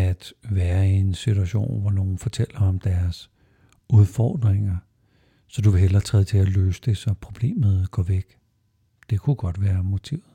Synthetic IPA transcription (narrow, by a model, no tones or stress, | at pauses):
æd̥ʋæːɐe̝nsit͡sʰuæɕo̝̰ːnʋɒno̝ːn̩fɒ̽t͡sʰel̰ɐɒ̽md̥æɐs | uðˠfɒ̰ːd̥ʁeŋɐ | sɒ̽d̥uʋe̝ɦel̰ɐt͡sʰʁɛðˠt͡sʰe̝æløːsəd̥e̝sɒ̽pʰʁo̝b̥le̝̰ːmð̞̩ˠɡ̥ɒ̰ʋeɡ̥ | d̥e̝kʰuɡ̥ɒ̽d̥ʋæːɐmo̝t͡sʰḭʊ̰ð̩ˠ